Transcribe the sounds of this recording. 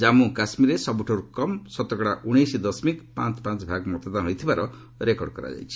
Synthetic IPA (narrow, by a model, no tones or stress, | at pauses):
d͡ʒamukasmiɾesɔbuʈʰɔɾukɔmsɔt̪ɔkɔɽaʔuɽ̃ejsid̪ɔsmikpãt͡ʃpãt͡ʃbʱaɡmɔt̪ɔd̪aɦɔjt̪ʰibaɾɔ | ɾekɔɽkɔ̰ɾa̰d͡ʒa̰jt͡ʃʰi